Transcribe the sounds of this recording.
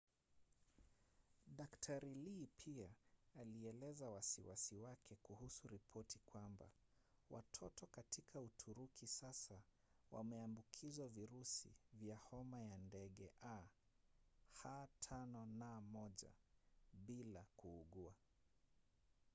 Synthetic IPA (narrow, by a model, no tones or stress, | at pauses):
ɗaktʰaɾilipʰiaːliɛlɛzawasiwasiwakʰɛkuhusuɾipʰɔtikwamba̰ | wʔa̰tʰɔtɔkatikʰautʰuɾukʰisasa | wa̰mɛambukʰizwaviɾusḭvjahɔmajandɛɠɛʔa | hatʰanɔnamɔʄa̰ɓilakuːɠua